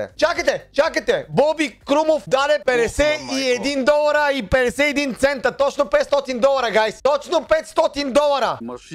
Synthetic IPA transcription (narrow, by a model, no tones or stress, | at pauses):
t͡ʃakat̪ɛt͡ʃakat̪ɛbɔbikɾumofd̪ad̪ɛpɛd̪ɛsɛiɛd̪ind̪ɔlˠaɾaipɛd̪ɛsɛɛd̪int̪sɛnt̪at̪ɔt͡ʃnopɛt̪st̪ɔt̪ind̪ɔlˠaɾaɡajst̪ɔt͡ʃnopɛt̪st̪ɔt̪ind̪ɔlˠaɾa